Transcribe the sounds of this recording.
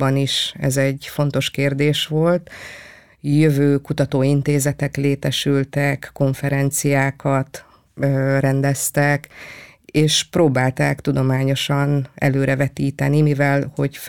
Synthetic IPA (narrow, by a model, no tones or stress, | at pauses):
ɒniʃɛ̰zɛɟːfo̞nt̪o̞ʃkeːrd̪eːʃʋo̞lt̪ | jøvøːkut̪ɒt̪oːint̪eːzɛt̪ɛkleːt̪ɛʃylt̪ɛkːo̞ɱfɛɾɛnt̪sijaːkɒt̪ | rɛnd̪ɛst̪ɛk | eːʃproːbaːlt̪aːkt̪ud̪omaːɲo̞ʃɒnɛ̰løːɾɛvɛt̪iːt̪ɛnimivɛlho̞ɟ